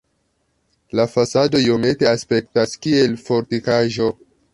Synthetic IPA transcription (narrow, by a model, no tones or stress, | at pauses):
lafasado̞iome̞te̞aspe̞k̚taskie̞lfo̞ɾtikaʒo̞